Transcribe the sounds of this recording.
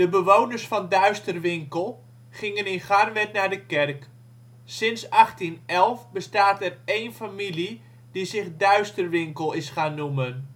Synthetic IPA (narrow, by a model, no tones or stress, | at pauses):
d̥əbəʋownərsfɑndœɥstərʋɪŋkəlˠ | χɪŋənɪnχarʋɛtnardəkɛrk | sɪnsɑχtinɛlˠfbəstaːtɛrejnfamili | dizɪχdœɥstərʋɪŋkəlˠɪsχaːnːumən